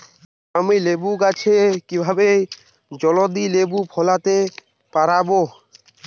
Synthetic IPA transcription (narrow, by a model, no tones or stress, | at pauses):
amilebukat͡ʃʰekibʱabej | d͡ʒɔlɔd̪ilebupʰɔlat̪e | paɾabo